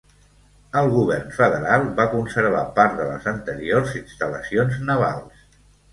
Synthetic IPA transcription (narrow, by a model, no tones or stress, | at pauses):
əlˠɣuβɛrnfəðəɾalˠbakunsəɾβ̞a̰paɾt̪ðələ̰zənt̪əɾiorzinst̪ələsionznəβ̞a̰lˠs